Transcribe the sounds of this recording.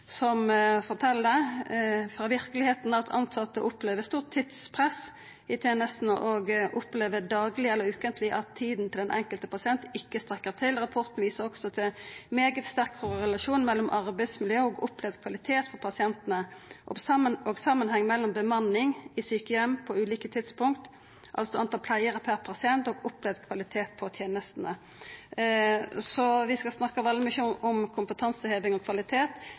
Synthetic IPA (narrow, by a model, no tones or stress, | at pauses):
sɔmfɔʁt̪ʰɛlə | fʁɑːʋɪɾkəlɪheːt̪nɑt̪ʰɑ̰nt̪sɑt̪ːə̰ʔʊpleːʋəst̪uːʁt̪ʰːɪt̪spʰʁɛs | ɪt̪ʰjeːnəst̪n̩əʔɔɡʔʊpleːʋəd̪ɑːɡlɪɛləɾʉːkənt̪ʰlɪʔɑt̪ʰːiːd̪n̩t̪ʰɪld̪ɛnʔɛ̰ŋkəlt̪əpʰɑsɪɛnt̪ɪkːəst̪ɾʁɛkːəʁt̪ʰɪlʁɑpʰɔʁt̪n̩ʋiːsəʁɔɡ̥sɔt̪ʰɪlmeːɡət̪st̪æʁkkɔʁɛlɑʃuːnmɛlːɔmʔɑʁbæɪd̪smɪljøːəoːɡʊplɛʋəkʰʋɑlɪt̪ʰeːt̪fɔʁpʰɑsɪɛnt̪ənəʔɔɑoːɡsɑmːənhɛŋːmɛlːɔmbəmɑnɪŋɪsyːkəɛmpʰɔʉːliːkət̪ʰɪt̪spʊŋkt̪ | ʔɑ̰lsɔɑnt̪ɑpʰlæɪəʁəpʰæʁpʰɑsɪɛnt̪ɔːɡʊplɛːd̪kʰʋɑlɪt̪ʰeːt̪̚pʰɔt̪ʰjeːnəst̪n̩ə | sɔʋɪskɑlsnɑkːəʋɑlːəmɪʃuɔmkʰʊmpət̪ʰɑnsəheːʋɪŋɔkʰʋɑlɪt̪ʰeːt̪